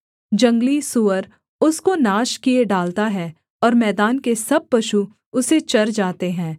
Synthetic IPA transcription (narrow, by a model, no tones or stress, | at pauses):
d͡ʒɐ̃ŋɡlisʊʋəɾ | ʊskonaːʃkieɖaːlt̪aɦɛ | ɔːɾmɛːd̪aːnkesɐb̚pɐʃu | ʊset͡ʃɐɾd͡ʒaːt̪eɦɛ̃ː